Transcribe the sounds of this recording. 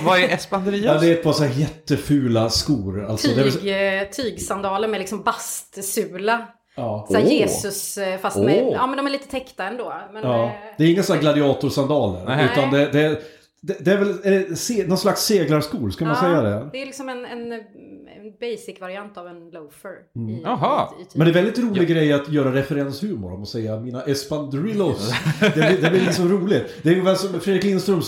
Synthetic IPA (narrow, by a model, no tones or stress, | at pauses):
vaɛɛsand̪əɾiːɑd̪ɛɾɛt̪̚pʰɑsɔæːjɛt̪ːəfʉ̟ːlaskuːɾa̰lt̪ʰɔːɛɾɛɡt̪ʰiːɡsand̪ɑːləɾmɛlɪksɔmbast̪sʉːla | ɑːsæjeːsɵsfast̪ɑːmɛnd̪ɔmæɾɭiːt̪ə̥t̪ʰɛkt̪aɛnd̪oːmɛnɑd̪ɛɾɪŋːasɔnːaɾɡlad̪ɪɑːt̪ʊɾʂand̪ɑːlə̰ɾʉ̟ːt̪and̪ɛd̪ɛ | d̪ɛd̪ɛæːɾvɛlɛɛsenɔnslaksːeːɡlaɾʂkuːlskamansɛjːad̪ɛ̰d̪ɛɾlɪksɔmɛnɛnɛbɛjsɪkvaɾɪant̪avɛnloʊfəɾɦ̪ʰmɛnd̪ɛɾvɛld̪ɪt̪ɾuːlɪɡɡɾɛjːat̪jœːɾaɾɛfɛɾɛnshʉ̟ːmʊ̰ɾɔmɔsɛjːamiːnaʔɛspand̪ɾɪlɔsd̪ɛlɪd̪ɛblɪɾɪt̪ːəsɔmɾuːlɪt̪d̪ɛɾjɪŋːəfɛːsɔmfɾed̪ɾɪklɪnst̪ɾɵm